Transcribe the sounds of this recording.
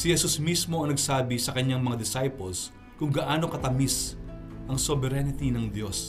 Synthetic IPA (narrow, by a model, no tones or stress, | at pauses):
sɪhɛsusmismo̞ɐŋnɐɡsaːbisɐkɐɲaŋmɐŋad̪ɪsajpols | kʊŋɡɐʔaːno̞kɐt̪ɐmisʔɐŋsobɛɾɛnɪt̪inɐŋd̪jo̞s